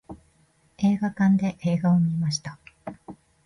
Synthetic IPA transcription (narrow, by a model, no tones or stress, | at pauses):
e̞ːɡakãnd̪e̞ʔeːɡao̞mʲiemaɕi̥t̪a